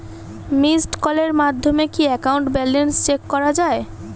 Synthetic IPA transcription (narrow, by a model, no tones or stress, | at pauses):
misʈkɔleɾmad̪ʱːomekiɛkawɳʈbɛlenst͡ɕekːɔɾad͡ʑae